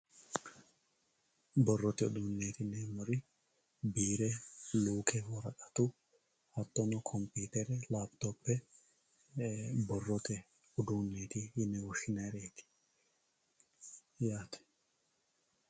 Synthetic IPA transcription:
bɔrːɔt̪ɛʊ̰d̪unːeːt̪ɪnːɛmɔɾɪ | biːɾɛluːkɛwɔɾɐkʼɐt̪ʊ | hɐt̪ːɔnɔkʰɔmpiːt̪ɛɾɛlaːbt̪oːpːɛ | bɔrːɔt̪ɛ | ʊd̪uːnːe̞ːt̪ɪhɪnːɛwɔʃɪnɐɾeːt̪ɪ̥ | jaːt̪ɛ̥

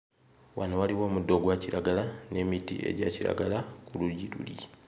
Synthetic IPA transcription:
wanowaliwo̞ːmudːo̞ɡwaciɾaɡalane̞mitḭʔe̞̰ɟaciɾa̰ɡalakuluɟiɾṵli

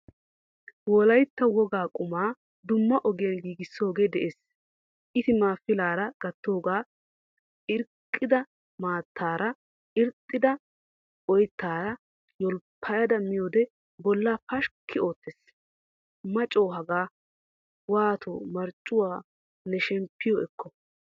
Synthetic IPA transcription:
wɔlɐjt̪ːɐwɔɡaːkʼʊmaː | d̪ʊmːɐʔɔɡɪjɐnɡiːɡɪsːo̞ːɡeːd̪ɛʔeːs | ʔɪt̪ɪmaːfɪlaːɾɐɡ̥ɐt̪ːo̞ːɡaː | ɪɾkʼːɪd̪ɐ | maːt̪ːaːɾɐ | ɪɾt̪ʼːɪd̪ɐ | ɔjt̪ːaːɾɐ | jɔlpʰːɐjɐd̪ɐmɪjoːd̪ɛ | bɔlːaːpɐʃkʰːɪo̞ːt̪ːes | mɐt͡ʃʼo̞ːɦɐɡaː | waːt̪o̰ːmɐɾt͡ʃʼːʊwaː | nɛʃɛmpːɪjɔɛkːɔ

